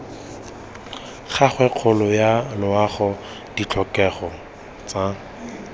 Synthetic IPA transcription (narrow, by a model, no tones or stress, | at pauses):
χaχwɛq͡χʰʊlʊjalʊaχɔ | d̥it͡ɬʰɔkɛχɔ | t͡sa